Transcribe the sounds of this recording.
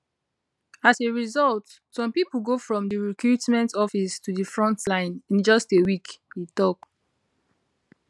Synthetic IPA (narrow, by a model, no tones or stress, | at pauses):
aseɹizɔlt | sɔ̃mpipul̩ɡofɹɔ̃mdiɹikɹutmɛ̃ntɔfistudifɹɔ̃ntlãɪ̃nĩnd͡ʒɔstewikditɔk